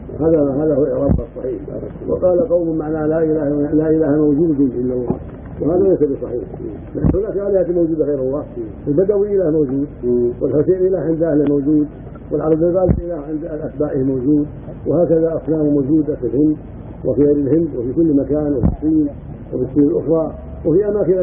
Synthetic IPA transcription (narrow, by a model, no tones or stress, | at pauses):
haːðahaːðahuɾˤɑbqɑsˤːɑ̰ħiːħba̰a̰ | wɪ̰qɑːlaqɑwmʊmaʕnalaʔɪlaːhlaʔɪlaːhamawd͡ʒuːd̪dinɪlːawːa̰ | whaːðalejsabisˤɑħḭːħ | lɪʔanhʊnaːkʕaːlihaːt̪imawd͡ʒuːd̪aɣejɾhʊlːɑːʔalbad̪awɪnɪlaːhmawd͡ʒuːd̪̚wɪlħoseːnʔɪlaːhʕɪnd̪ʔahlamawd͡ʒuːd̪ | wɪlʕalɑd̪ˤilɣaːlʔɪlaːhʕɪnd̪aʔat̪̚baːʔɪhmawd͡ʒuːd̪ | wɪhaːkaðaʔafnaːmɪmowd͡ʒuːd̪afilhɪnd̪ | wʔɪ̰fiɣeːɾɪlhɪnd̪wɪfikʊlːmakaːnwɪfisˤːiːn | wɪ̰fisˤːiːnɪlʔʊxɾˤɑ | wɪfiʔamaːkɪna